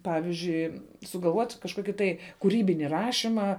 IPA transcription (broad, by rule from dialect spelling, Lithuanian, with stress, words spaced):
ˈpɑːʋʲɪzʲd͡ʒʲʊɪ sʊɡɐlˠˈʋuɔtʲ kɐʃˈkoːkʲɪ tɐɪ kʊˈrʲiːbʲɪnʲɪ ˈrɑːʃʲɪmɑː